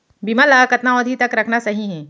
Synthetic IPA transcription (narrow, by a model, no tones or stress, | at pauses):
bimalakɐt̪naɔ̃d̪ʱit̪ɐkɾɐkʰnasɐɦiɦɛ̃ː